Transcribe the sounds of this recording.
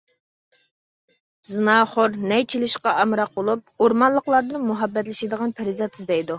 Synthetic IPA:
zɨnɑχoɾnɛjt͡ʃʰilɪʃqɑɑmɾɑq̚bolˠup̚uɾmɑnlˠəqlˠɑɾd̪ɨnmuɦɑbːɛt̪̬lɪʃɪd̪əʁɑnpʰæɾɪzɑt̪ʰɨzd̪ɛjd̪u

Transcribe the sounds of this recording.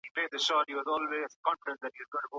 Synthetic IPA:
hipeːd̪əʃɔːʈhiːʋɔzɔːlʋeːzkɔ̃nfɪɖə̃ns̚d̪æʈhiʋɔzɡõɪ̃ʈuɡo

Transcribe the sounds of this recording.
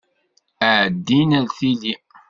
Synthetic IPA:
əʕəd̪ːinælθili

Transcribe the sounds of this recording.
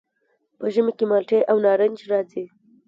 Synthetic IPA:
pəʒəmekemɑlʈeʔawnɑɾənd͡ʒɾɑzi

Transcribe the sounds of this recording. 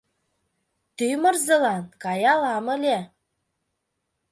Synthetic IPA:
t̪ymɤ̆rzɤ̆lɑnkɑjɑlɑmə̆lʲe

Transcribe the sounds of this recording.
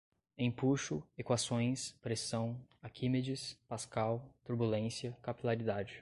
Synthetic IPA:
ẽpuʃʊekwasõj̃spɾesɐ̃w̃akʰimed͡ʒɪspaskawt̪uɾbulẽsjɐkapilaɾid̪ad͡ʒɪ

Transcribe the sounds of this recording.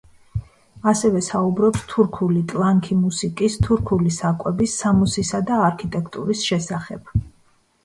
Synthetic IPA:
asɛvɛsaubɾɔpst̪ʰuɾkʰulit̪ʼlˠaŋkʰimusikʼist̪ʰuɾkʰulisakʼwɛbisːamusisad̪aːɾkʰit̪ʼɛkʰt̪ʼṵɾisʃɛsaχɛb̥

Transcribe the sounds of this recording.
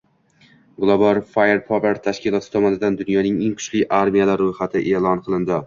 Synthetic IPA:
ɡlˠobalˠfajeɾpʰɒɾaɾt̪ʰaʃkʲɪlˠɒt̪ʰɪ̥t̪ʰɒmɒnɪd̪and̪ʊnjɒnɪŋeŋqʰʊ̥ʃlɪjʔaɾmijalaɾːojhat̪ʰɪʔelˠɒnqʰɨlˠɪnd̪ɪ

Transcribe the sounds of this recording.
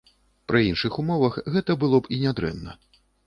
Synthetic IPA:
pɾɨinʂɨxumɔvɐxɣɛt̪ɐbɨlˠɔpinʲad̪ɾɛ̰nːɐ̰

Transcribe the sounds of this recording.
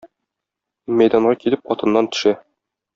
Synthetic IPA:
mæjd̪ɑɴʁɑkilɘp̚ɒt̪ɤ̆nːɑnt̪ɵ̥̆ʃæ

